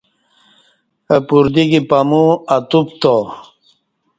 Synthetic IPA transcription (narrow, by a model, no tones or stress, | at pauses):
əpuɾd̪iɡipamuɐt̪upt̪o